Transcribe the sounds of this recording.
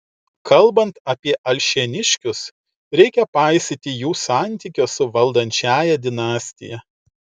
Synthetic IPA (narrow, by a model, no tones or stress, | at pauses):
kʰɐlˠbɐnt̪ɐpʲiɛʔɐlʲʃʲinʲɪʃʲkʲʊs | ɾʲɛɪkʲɛpɑˑɪsʲɪt̪ʲɪjuːsɑːˑnʲt̪ʲiˑkʲʊsʊʋɐlˠd̪ɐnʲt͡ʃʲæːjɛd̪ʲɪnɑːsʲt̪ʲɪjɛ